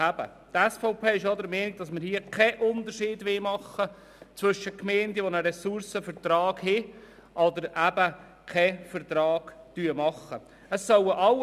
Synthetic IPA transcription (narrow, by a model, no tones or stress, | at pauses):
æb̥ə̰ | t̪ɛsfɔʊpʰeːɪʃjɑdəɾmɛːniɡ̚d̥ɑsməɾhiəkʰɛʔʊndəɾʃiːdʋɪmɑχːə | t͡sʋʏʃəkmɛːndəʋonəɾɛsʊɾsəfəɾt̪ɾɑːɡ̥hɪ | ʔɑdəɾʔæbə | kʰɛfəɾt̪ɾɑːɡ̥tyːəmɑχə | əsːœwəʔɑl